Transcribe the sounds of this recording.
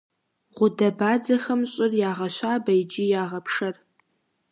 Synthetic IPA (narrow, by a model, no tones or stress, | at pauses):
ʁʷʊdɐbaːd͡zɐxɐmɕʼɪrjaːʁɐɕaːbɐjd͡ʒijaːʁɐpʰʂɐr